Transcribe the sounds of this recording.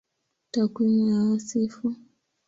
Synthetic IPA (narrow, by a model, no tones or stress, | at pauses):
takwimaasifu